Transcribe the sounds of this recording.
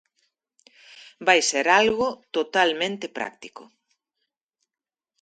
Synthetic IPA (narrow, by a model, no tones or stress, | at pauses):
bajseɾalɣot̪ot̪almẽnt̪epɾa̰k̚t̪i̥kʊ